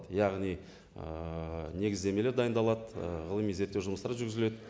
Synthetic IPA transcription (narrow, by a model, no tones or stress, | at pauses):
d̪jɑʁnij | əne̞ɡʲɪzd̪e̞mele̞ɾd̪ɑjənd̪ɑlˠɑd̪əʁəlˠəmijze̞ɾt̪ːewʒʊməst̪ɑɾʒʏɾɡʲɪzɪle̞d̪ɪ